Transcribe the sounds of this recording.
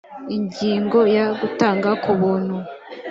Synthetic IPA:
iɲɟiːŋɡo̞jaɡutaːŋɡakʰuβuːn̥hu

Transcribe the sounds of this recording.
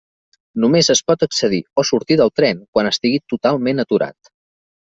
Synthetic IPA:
numezəspɔt̪əksəðiosuɾt̪iðəlˠt̪ɾɛnkwanəst̪iɣit̪ut̪alˠmenət̪uɾa̰t̪

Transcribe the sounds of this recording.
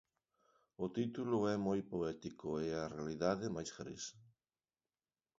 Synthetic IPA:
ʊt̪it̪ulʊɛmojpoɛt̪ikʊeɐrealiðaðɪmajsfɾḭs

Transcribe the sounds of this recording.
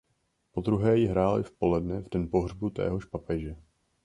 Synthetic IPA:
po̞d̪ɾuɦɛːjɪɦɾaːlɪ̰fpo̞lɛdnɛvdɛnpo̞ɦrbut̪ɛ̰ːɦo̞ʃpapɛʒɛ

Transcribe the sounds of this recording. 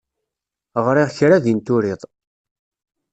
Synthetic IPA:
ʁɾɪʁçɾaðint̪ʊɾiðˤ

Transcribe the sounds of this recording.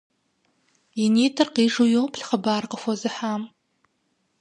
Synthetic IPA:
iniːtʰɨrqiːʐujowpʰɬχəbaːrqəfʷɐzɨħam

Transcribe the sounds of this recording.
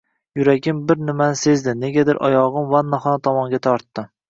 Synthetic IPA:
jʊɾaɡʲɪmbɪɾnɪmanɪse̞zd̪ɪne̞ɡʲad̪ɪɾʔɒ̰jɒʁɨmvanːaχɒnt̪ʰɒmɒŋɡʲat̪ʰɒɾt̪ːɪm

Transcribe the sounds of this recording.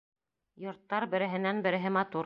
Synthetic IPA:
jŏɾt̪ːɑɾbɘ̆ɾɘ̆ɦɘ̆nænbɘ̆ɾɘ̆ɦɘmɑt̪uɾ

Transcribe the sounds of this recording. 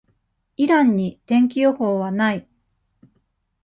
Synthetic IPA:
iɾãɲ̟ːit̪ẽ̞ŋk̬ʲijohoːβanai

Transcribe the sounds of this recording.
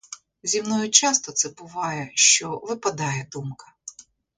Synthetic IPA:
zʲimnɔjʊt͡ʃɑst̪ɔt̪sɛbʊʋɑjɛʃt͡ʃɔʋɪpɐd̪ɑjɛd̪umkɐ̥

